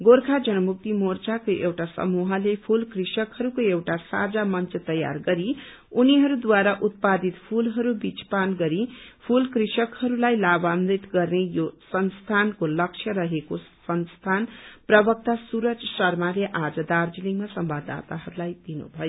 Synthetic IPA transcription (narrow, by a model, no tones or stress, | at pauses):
ɡorkʰad͡zʌnʌmuk̚t̪imort͡sakoʔewʈasʌ̰muɦʌlepʰulkrisʌkhʌɾukoewʈasa̰d͡zamʌnt͡sʌt̪ʌja̰rɡʌɾi | uniɦʌɾud̪waɾaʔut̪̚pad̪it̪pʰulɦʌɾubit͡spanɡʌɾipʰulkrisʌkhʌɾulajlabamɾit̪ɡʌrnejosʌnst̪ʰankolʌkt͡ʃʰjʌɾʌɦekosʌnst̪ʰanprʌbʌk̚t̪asuɾʌt͡sʰʌsʌrmaljeʔad͡zʌd̪ard͡ziliŋmasʌmbad̪a̰t̪aɦʌɾulajd̪inṵbʱʌjo